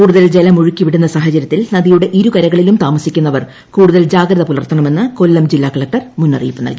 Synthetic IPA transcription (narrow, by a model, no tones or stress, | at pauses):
kuːɽuðɐld͡ʑelɐmuɻukʲːiʋiɽunːɐsaːɦɐt͡ɕɐɾjɐt̪ːilnɐðijuɽe̞ʔiɾukɐɾɐɣɐɭilumt̪aːmɐsikʲːunːɐʋɐr | kuːɽuðɐld͡ʑaːɡɾɐðɐpulɐrt̪ʰːɐɳɐme̞nːɨko̞lːɐmd͡ʑilːaːkɐɭɐk̚ʈɐrmunːɐ̰rḭːpːɨnɐ̰lki